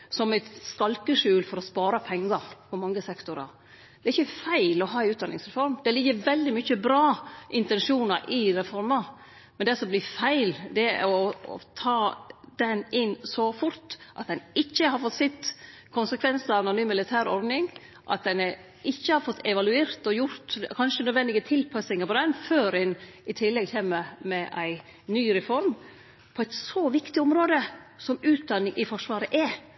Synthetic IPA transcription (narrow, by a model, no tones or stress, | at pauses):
sɔmæt̪skɑlkəʂʉːlfɔɾɔspɑːɾɑpʰɛŋɡɑɾpʰɔmɑŋːəsɛkt̪ʊɾɑ̰ | d̪ɛɾɪçːəfæɪlɔɦɑːæɪʉːt̪d̪ɑnːɪŋsɾɛfɔɾmd̪ɛlɪɡːəʋɛld̪ɪmʏçəbɾɑːʔɪnt̪ɛnʂuːnɑɾʔɪɾɛfɔɾmɑ | mɛnd̪ɛsɔmblɪfæɪld̪ɛ̰ɔɔ̰t̪ʰɑːd̪ɛnɪnːsɔfʊɾt̪ʔɑt̪̚d̪ɛnɪçːəɦɑɾfɔt̪sɪt̪ːkʰʊnsəkʰʋɛnsəɾɑʋɑnʊnyːmɪlɪt̪ʰæːɾɔɾd̪nɪŋ | ʔɑ̰t̪̚d̪ɛn | ɪçːəhɑɾfɔt̪ʰːɛʋɑlʉeːɾt̪ɔjʊɾt̪kʰɑnʂənœd̪ʋɛnd̪ɪɡət̪ʰɪlpʰɑsɪŋəɾpɔd̪ɛnføːɾɪnɪt̪ʰɪlːɛɡçeːməɾmɛʔæɪ | nyːɾɛfɔɾm | pʰɔæɪt̪sɔʋɪkt̪ɪʊmɾoːd̪əsɔmʉːt̪̚d̪ɑnːɪŋʔɪfɔʂʋɑːɾəʔɛ